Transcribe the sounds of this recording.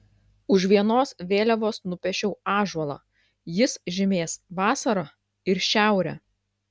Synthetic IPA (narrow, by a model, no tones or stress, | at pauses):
ʊʃʋʲiɛnoːsʋʲeːlʲɛʋoːsnʊpʲɛʃʲɛʊɑːʒɐlˠɑ̰ | jɪsʒʲɪmʲeːsʋɑːsɐɾɐ | ɪɾʃʲæˑʊɾʲɛ